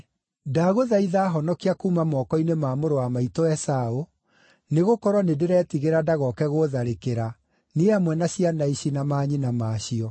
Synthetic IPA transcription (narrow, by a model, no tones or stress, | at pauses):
daɣoðaiðaːɦɔnɔkiakuːmamɔkɔinemaːmoɾowamaitoɛsao | neɣokɔɾwɔnedeɾɛːtiɣeɾadaɣɔkɛɣoðaɾekeɾa | niamwɛnaɕianaiɕinamaɲinamaɕiɔ